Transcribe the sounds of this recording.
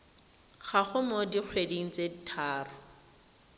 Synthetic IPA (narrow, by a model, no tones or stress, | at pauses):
χaχʊmodiq͡χʰwediŋ̩t͡seditʰaːrʊ